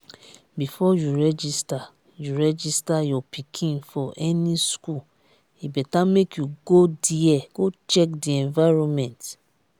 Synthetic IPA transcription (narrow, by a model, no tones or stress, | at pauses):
bifɔjuɹɛd͡ʒista | juɹɛd͡ʒistajɔpikʰĩnfɔʔɛnisku | ibɛtamekjuɡodiɛɡot͡ʃɛkdiɛ̃nvaɹɔ̃mɛ̃nt